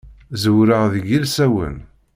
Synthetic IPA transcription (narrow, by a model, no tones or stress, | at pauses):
zwɾəʁðəɡilsæwə̰n